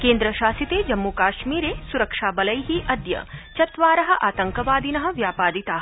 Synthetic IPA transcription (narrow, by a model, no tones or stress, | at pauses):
keːnd̪ɾɐʃaːsit̪eːd͡ʒɐmːukaːʃmiːɾeːsuɾɐkʂaːbɐlɐjɦiʔɐd̪jɐ̰t͡ʃɐt̪ʋaːɾɐɦɐ̆ʔaːt̪ɐŋkɐʋaːd̪inɐɦɐ̆ʋjaːpaːd̪it̪aːɦ